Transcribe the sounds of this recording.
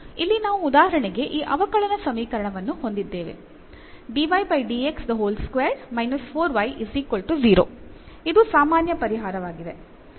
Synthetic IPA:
ilːinaːʋuːd̪aːɦɐɾɐɳɛɡe̞ʔiːʔɐʋɐkɐɭɐnɐsɐmiːkɐɾɐɳɐʋɐnːuho̞nd̪id̪ːe̞ːʋḛ | ɖiʋɐjbɐjɖieksd̪ɐɦoːlskʋeːɾmɐjnɐspʰoːɾʋɐjʔiziːkɐlʈuziːɾoː | id̪usaːmaːnjɐpɐɾiɦaːɾɐʋaːɡid̪e̞

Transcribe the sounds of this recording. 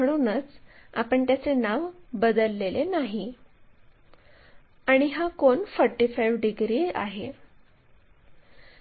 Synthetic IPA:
əɽ̃uːnət͡sa̰pəɳt̪jat͡senaʋbəd̪əlːelenaɦi | aɽ̃iɦakoɳfəɾʈifajʋɖiɡɾiːa̰ɦe

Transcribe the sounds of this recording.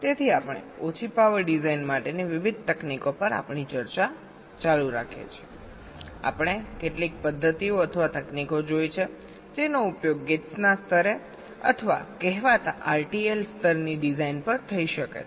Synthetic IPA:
t̪et̪ʰiapɳ̃ḛot͡ʃʰipaʋəɾɖizainmaʈeniʋiʋid̪̚ʱt̪əknikopəɾa̰pɳ̃it͡ʃəɾt͡ʃa | t͡ʃaluɾa̰kʰḛt͡ʃʰie | a̰pɽ̃ekeʈlik̚pəd̪ʱːət̪ioət̪ʰəʋat̪əknikod͡ʒojt͡ʃʰe | d͡ʒenoupjoɡːetsnast̪ʰəɾe | ə̰t̪ʰəʋa̰kɛɦʋat̪a̰ʔaɾʈielst̪ʰəɾniɖizainpəɾt̪ʰəiʃəkḛ

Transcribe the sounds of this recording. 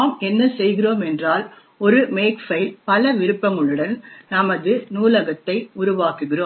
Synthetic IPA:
mɛnːɐsɛjɣɪroːmɛndraːl | ɔɾɯmeːkfɐɪlpɐlɐʋɪɾɯpːɐŋɡɐɭɯɽɐnnɐmɐðɯnuːlɐɣɐt̪ːɐɪʊɾʊʋaːkɯɣɪroː

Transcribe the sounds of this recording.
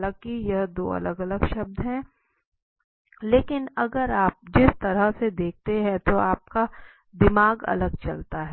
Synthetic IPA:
ləɡ̚kijɐɦd̪o̰ːɐ̰ləɡɐləɡʃɐb̚d̪ɦɛ̃ː | leːkɪnɐɡəɾaːp̚d͡ʒɪst̪ɐɾəɦsed̪eːk̚ʰt̪eɦɛ̃t̪oaːp̚ka | d̪ɪmaːɡɐ̰ləɡ̚t͡ʃɐ̰lt̪aɦɛ

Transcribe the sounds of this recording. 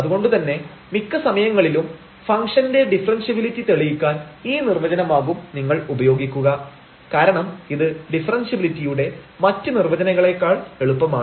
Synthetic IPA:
ɐðuɣo̞ɳɖut̪ɐnːe̞ | mikːɨsɐmɐjɐŋːɐɭilum | fɐŋkʂɐnde̞ɖifrɐnsibilitːit̪eɭijikʲːaːniːnirʋɐd͡ʑɐnɐmaːɣumniŋːɐɭubɐjo̞ːɡikʲːuɣɐ | kaːɾɐɳɐmiðɨɖifɐrɐnsɐbilitːijuɽe̞mɐtːɨnirʋɐd͡ʑɐnɐɣɐɭe̞kːaːɭeɭupːɐmaː

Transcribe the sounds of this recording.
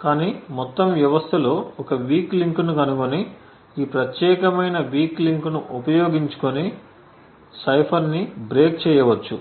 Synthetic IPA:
kaːniːmɔt̪ːɐmʋjɐʋɐst̪ʰɐlo̞ːɔkɐʋiːkliŋknukɐnukoni | iːpɾɐt̪jɛːkɐmɐjnɐʋiːkliŋknuʔupɐjo̞ːɡiɲt͡ʃu̥koni | sɐjpʰɐɾnibɾe̞ːk̚t͡ʃɛːjɐʋɐt͡ʃːu

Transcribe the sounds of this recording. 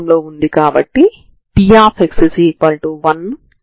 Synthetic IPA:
mlo̞ːund̪ikaːbɐʈːi | pijaːpeksisipɐɳʈuʋɐn

